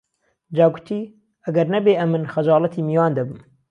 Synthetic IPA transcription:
d͡ʒɑːɡut̪ʰiː | ɐɡɐɾnɐbeːɐmɨnxɐd͡ʒɑːlˠɐt̪ʰiːmijwɑːnd̪ɐbɨm

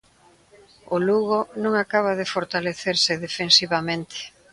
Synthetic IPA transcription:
ʊluɣonũŋakaβ̞aðefoɾt̪aleθeɾsɪðefensiβamẽnt̪ʰe̥

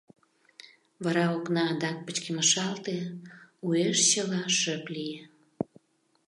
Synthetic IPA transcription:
βɑɾɑoknɑːd̪ɑk̚pət͡ɕkeməʃɑlt̪eueʃt͡ɕəlɑʃəplije

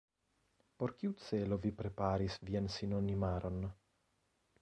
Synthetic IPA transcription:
po̞ɾkiut͡se̞lo̞vipɾe̞paɾisviansino̞nimaɾʔo̞n

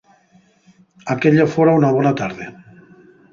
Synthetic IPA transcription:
akeʎafoɾaunaβ̞ɔnat̪aɾðe

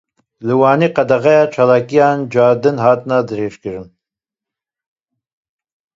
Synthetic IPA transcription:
lɨwaːniqad̪aʁajat͡ʃʰalakʼijand͡ʒaːd̪ɨnɦaːt̪ʼnad̪ɨɾeʂkʲɪʐɨn

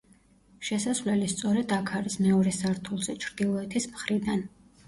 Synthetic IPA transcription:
ʃɛsasvlɛlist̪sʼɔɾɛd̪akʰaɾismɛɔɾɛsaɾt̪ʰulˠzɛt͡ʃʰɾd̪̥ilˠɔɛt̪ʰismχɾid̪an

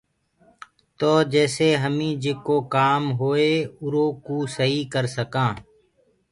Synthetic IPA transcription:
t̪oːd͡ʒɛːseːɦəmĩːd͡ʒɪkoːkaːmɦoːeːʊɾoːkuːsəɦiːkəɾsəkãː

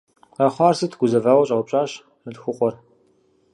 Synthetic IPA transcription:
ɐχʷɑːrsɨtʰɡʷʊzɐvaːwɐɕʼɐwpɕʼaːɕ | nɨdxʷʊqʷʼɔr

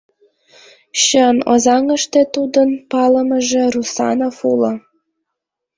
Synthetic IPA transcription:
ɕəno̰zɑŋəʃt̪et̪ud̪ənpɑləməʒĕrusɑ̰nofulə̆

